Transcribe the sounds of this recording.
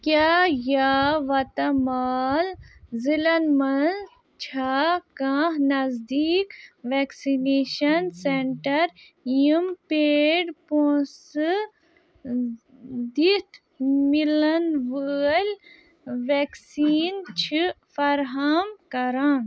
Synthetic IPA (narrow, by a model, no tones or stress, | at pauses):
kʲaːjaːʋɐt̪ɐmaːlzilɐnmɐnz | t͡ʃʰaːkãːɦnɐzd̪iːkʋeksineːʃɐnseɳʈɐɾ | jimpeːɖpoːsɨ | d̪it̪ʰ | milɐnʋəlʲ | ʋeksiːnt͡ʃʰi | fɐɾɦɐmkɐɾãː